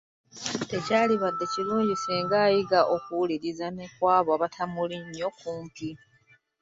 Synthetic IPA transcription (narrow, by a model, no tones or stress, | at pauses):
te̞caːliβadːe̞ciluːɲɟisiːŋɡaːjiɡaʔo̞kuuliɾizanekwaːβoaβatʰamuliɲːo̞kuːmpi